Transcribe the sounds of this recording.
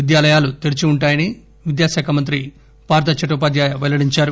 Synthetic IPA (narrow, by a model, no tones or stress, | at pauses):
id̪jaːlɐjaːlut̪iɾit͡ʃiuɳʈaːjɐni | ʋid̪jaːʃaːkʰɐmɐnt̪̬ɾi | paːɾt̪ɐt͡ʃɐʈuːpaːd̪jaːjɐʋelɐɽiɲt͡ʃaːɾu